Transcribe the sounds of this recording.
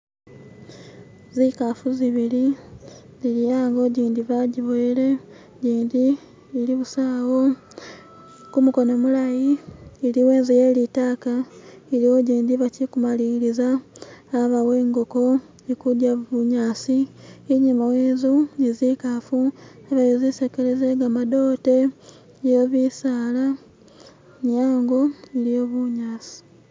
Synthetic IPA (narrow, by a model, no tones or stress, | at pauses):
zikafuziβili | zilijaːŋɡo̞ɟiːnd̪iβaɟiβoile̞ | ɟiːndiː | liβusaːwo̞ | kumuko̞no̞mulajiːliwe̞ːnzijeːlitaːkaelioɟiːnd̪iβacikumaliɾizaː | βawe̞ːŋɡoko̞ | ikudjaβuɲaːsiːɲimaweːnzunizikafuaβajozisekelezeɡamado̞ːte̞ | joβisaːla | ɲaːŋɡo̞ilijo̞βuɲaːsi̥